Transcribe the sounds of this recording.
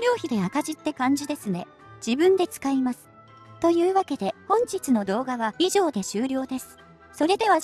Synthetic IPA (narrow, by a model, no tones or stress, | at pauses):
ɾʲo̞ːçid̪e̞akaʑit̪ːe̞kãɲ̟d͡ʑid̪e̞sɨne̞ | d͡ʑ̥ibɯ̟̃nd̪e̞t͡sɨ̥kaimasɨ̥ | t̪o̞jɯ̟ːβake̞d̪e̞hõ̞ɲ̟t͡ɕit͡sɨno̞d̪o̞ːɡaβaiʑo̞ːd̪e̞ɕɨːɾʲo̞ːd̪e̞sɨ̥ | so̞ɾe̞d̪e̞βa